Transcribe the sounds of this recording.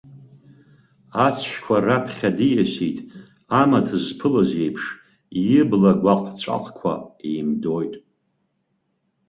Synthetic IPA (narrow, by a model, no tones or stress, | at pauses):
at͡sʰʃᶣkʷʰarapʰχʲadijasijtʼ | amatʰɨzpʰɨlazejpʰʂ | jɪblaɡʷaqʼt͡ɕʷʰʼa̰qʼkʷʰa̰ḛjmdojtʼ